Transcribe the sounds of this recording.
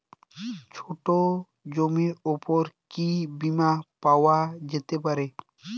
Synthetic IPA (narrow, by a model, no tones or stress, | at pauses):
t͡ɕʰoʈo | d͡ʑomiɾupoɾkibimapaoad͡ʑet̪epaɾe